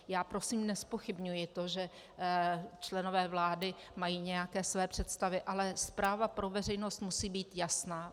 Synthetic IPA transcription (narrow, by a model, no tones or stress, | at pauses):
jaːpɾo̞simnɛspo̞xɪbɲujɪt̪o̞ʒɛ | t͡ʃlɛno̞vɛːvlaːdɪ | majiːɲɛjakɛːsvɛːpr̝̥ɛt̪st̪avɪʔalɛspɾaːvapɾo̞vɛr̝ɛjno̞st̪musiːbiːt̪jasnaː